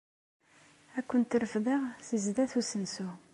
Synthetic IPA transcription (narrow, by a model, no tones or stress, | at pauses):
ækʷːənt̪ɾəfðəʁsizd̪æθusənsu